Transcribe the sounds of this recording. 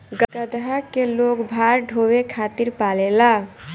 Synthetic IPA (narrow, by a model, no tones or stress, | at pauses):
ɡɡəd̪ɦakelokbʱaɾɖʱowekʰat̪iɾpalela